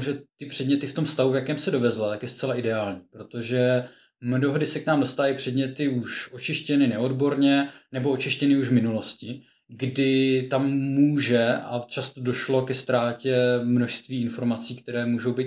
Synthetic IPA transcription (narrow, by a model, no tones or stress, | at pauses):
ʒɛt̪ɪpr̝̥ɛdɲɛt̪ɪft̪o̞mst̪avuvjakɛːmsɛdo̞vɛzlat̪akjɛst̪t͡sɛlaʔɪdɛaːlɲiːpɾo̞t̪o̞ʒɛ | mdoɦdɪsɛknaːmdo̞st̪avajpr̝̥ɛdɲɛt̪ɪuʃo̞t͡ʃɪʃcɛnɪnɛo̞dbo̞ɾɲɛnɛbo̞ot͡ʃɪʃcɛnɪuʒvmɪnulo̞scɪ | ɡdɪt̪amːuːʒɛat͡ʃast̪o̞do̞ʃlo̞kɛst̪ɾaːcɛmno̞ʃst̪viːɪnfo̞ɾmat͡siːkt̪ɛɾɛːmuːʒo̞wbiːt̪